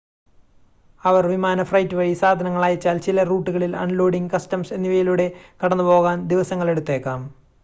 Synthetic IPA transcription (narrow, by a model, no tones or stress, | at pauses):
ɐʋɐrʋimaːnɐfrɐjtːɨʋɐɻisaːd̪ʱɐnɐŋːɐɭaːjɐt͡ɕːaːlt͡ɕilɐruːʈːuɣɐɭilɐ̰nlo̞ːɽiŋɡkɐstɐmse̞nːiʋɐjiluːɽe̞kɐɽɐnːɨpo̞ːɣaːnd̪iʋɐsɐŋːɐɭe̞ɽut̪ːe̞ːkːaːm